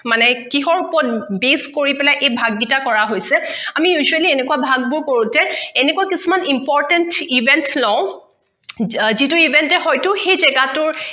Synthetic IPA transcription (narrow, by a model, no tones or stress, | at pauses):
manɛkiɦɔɹupɔɔt̚beskoɹipɛlajʔejbʱaɡːitakɔɹaɦojsɛamijuzualiɛnɛkuwabʱaɡ̚bʊɹkoɹʊtɛɛnekuwakisumanimpɔɹtɛntibʱɛntlɔʊ̃ | zitʊibʱɛntɛɦɔjtʊxejzɛɡatʊɹ